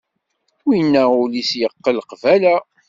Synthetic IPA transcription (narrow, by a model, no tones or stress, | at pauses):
winːæʊlisjəqːəlqvælæ